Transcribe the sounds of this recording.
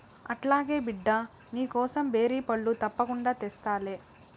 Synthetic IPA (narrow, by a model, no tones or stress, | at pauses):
ɐʈlaːɡe̞ːbiɖːɐ | niːkɔːsɐmbe̞ːɾiːpɐɭːut̪ɐpːɐkuɳɖaːt̪ɛst̪aːleː